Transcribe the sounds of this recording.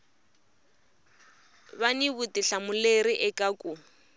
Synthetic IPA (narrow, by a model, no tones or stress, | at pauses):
βaniβutiɬamʊleɾiʔɛkʼakʼu